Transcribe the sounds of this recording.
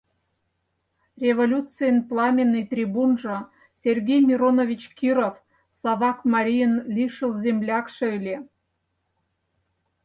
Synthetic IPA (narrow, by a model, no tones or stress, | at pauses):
rʲevolʲut̪t͡sɨjənplˠɑmʲenːɨjt̪rʲibunʐɤ̆ | sʲerɡʲejmʲiɾonovʲit͡ɕkʲiɾof | sɑβɑkmɑɾʲijənlʲiʃəlˠzʲemlʲɑkʂɤ̆ilʲe